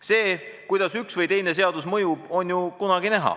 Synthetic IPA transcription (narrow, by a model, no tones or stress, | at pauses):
se̞ːkujd̪̥ɑsyksvɤjt̪e̞jne̞s̬e̞ɑd̪usmɤjub̥o̞njukunɑɡ̥inæɦɑ̰